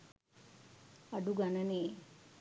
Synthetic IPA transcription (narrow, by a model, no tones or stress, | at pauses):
ɐɖuɡɐnɐneː